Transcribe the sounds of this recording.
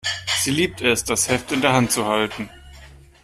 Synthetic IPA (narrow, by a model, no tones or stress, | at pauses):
z̥iːliːp̚tɛsd̥ashɛftɪndeːɐɦantt͡suhaltn̩